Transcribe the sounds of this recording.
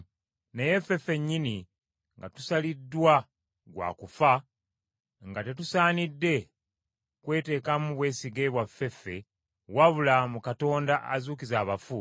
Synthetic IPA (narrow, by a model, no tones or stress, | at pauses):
neje̞fe̞fe̞ɲːini | ŋɡa̰tu̥salidːwa | ɡwa̰ːkufa | ŋɡate̞tusaːnidːe̞ | kwe̞ːte̞ːkamuβwe̞ːsiɡeβwafːe̞fːe̞ | waβulamukato̞ːndaʔa̰zuːkizaːβafu